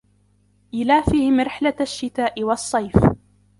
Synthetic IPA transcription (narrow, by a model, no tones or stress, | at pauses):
ʔɪlaːfiːhɪmɾɪħlaaʃːɪt̪aːʔɪwɑsˤːɑjf